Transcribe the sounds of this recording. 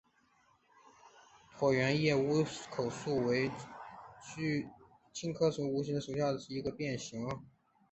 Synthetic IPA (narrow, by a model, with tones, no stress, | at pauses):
t̪ʰwɔ˨˩ɥɛ˧˥njɛ˥˩u˧˥kʰo˨˩ʊsu˥˩we˧˥ɪ | t͡ɕy˥ | t͡ɕʰi˥ŋkʰɤ˥ʂu˧˥u˧˥ɕi˥nd̪ə˩ʂu˨˩ɕja˥˩d̪ə˩ʂɻ̩˥˩i˧˥ɡə˧pjɛ˥˩nɕi˧˥ŋə˧